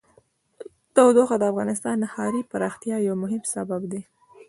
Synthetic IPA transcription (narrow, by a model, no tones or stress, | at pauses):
d̪̥awd̪oxad̪əafɣɑnɪst̪ɑnːəhɑɾipaɾɑxt̪jɑjawmʊɦɪmsababd̪e